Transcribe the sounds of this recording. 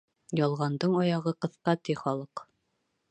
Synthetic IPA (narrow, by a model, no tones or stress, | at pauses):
jɒlˠʁɑnd̪ɤɴɒjɑʁɤqɤ̆θqɑt̪iχɒlˠɤq